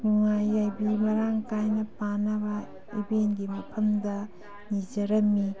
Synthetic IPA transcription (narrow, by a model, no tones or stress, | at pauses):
nuŋajːajbimɐɾaŋkajnɐpanɐbɐ | ibenɡimɐpʰɐmdɐ | nid͡ʒɐɾɐmːi